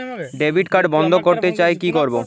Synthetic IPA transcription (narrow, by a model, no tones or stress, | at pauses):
ɖebʱiɖkaɖbɔnd̪ʱokoɾt̪et͡ɕaekikoɾbo